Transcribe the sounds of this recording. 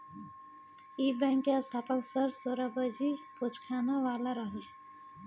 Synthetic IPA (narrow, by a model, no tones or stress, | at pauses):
ibɛ̃ŋkːeəst̪ʰaːpəksəɾsoɾabəd͡ʒipot͡ʃkʰanaʋaːlaɾəɦle